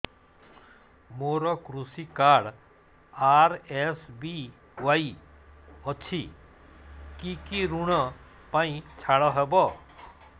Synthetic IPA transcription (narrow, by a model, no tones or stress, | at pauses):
moɾɔkɾusikaɽ | aɾesbi | ʋai | ɔt͡ʃʰi | kikiɾuɽ̃ɔ | pãĩt͡ʃʰaɽɔɦɛbɔ